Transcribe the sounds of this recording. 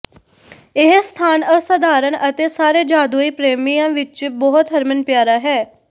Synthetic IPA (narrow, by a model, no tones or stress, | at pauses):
ɪɦst̪ʰaːnəsəd̪aːɾənət̪eːsaːɾeːd͡ʒaːd̪uːiːpɾeːmijãːʋɪt͡ʃbɔɦʊt̪ɦəɾmənpjaːɾaːɦɛː